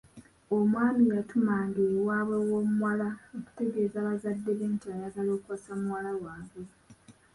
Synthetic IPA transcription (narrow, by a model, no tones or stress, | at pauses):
omwaːnijatumaːŋɡewaːβwewomuwalaoku̥te̞ɡe̞ːzaːβazadːe̞βeːntiajaɡalo̞ːkuwasamuwalawaːβe